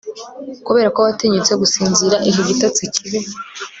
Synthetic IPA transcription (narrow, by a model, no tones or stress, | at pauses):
kuβe̞ːɾakoβateɲut͡seɡusiːnziɾaʔiɦiɡitat͡sicʰiβe